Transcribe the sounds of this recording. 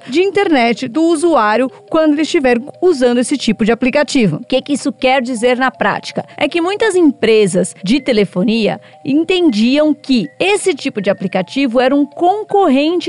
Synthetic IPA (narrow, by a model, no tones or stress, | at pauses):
d͡ʒɪĩnt̪eɾnɛt͡ʃɪd̪ʊuzuaɾjʊkwɐ̃nd̪ʊelɪst͡ʃivɛɾ̃uzɐ̃nd̪ʊesɪt͡ʃipʊd͡ʒɪaplikat͡ʃivʊ̰kekɪisʊkɛɾd͡ʒizeɾnɐpɾa̰t͡ʃi̥kɐɛkɪmũj̃t̪ɐzẽpɾezɐsd͡ʒɪt̪elefoniɐ̰ | ẽnt̪ẽnd͡ʒiɐ̃w̃kɪesɪt͡ʃipʊd͡ʒɪaplikat͡ʃivʊɛɾɐũkõŋkoɦẽnt͡ʃɪ